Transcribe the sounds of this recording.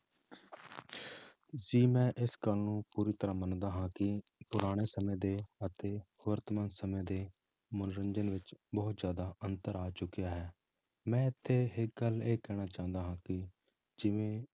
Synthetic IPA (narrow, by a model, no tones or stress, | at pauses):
ziːmɛ̃ːʔɪskəlnũːpuːɾiːt̪əɾãːmənd̪aːɦãːkɪpʊɾaːɽ̃eːsəmẽːd̪eːət̪eːʋəɾt̪əmaːnsəmẽːd̪eː | mʊnɾənd͡ʒənʋɪt͡ʃbɔːt̪zjaːd̪aːʔənt̪əɾaːt͡ʃʊkːijaːɦɛː | mɛ̃ːɪt̪ʰːeːɦɪk̚ɡəleːkɛːɽ̃aːt͡ʃãːnd̪aːɦãːkɪ | d͡ʒɪʋẽː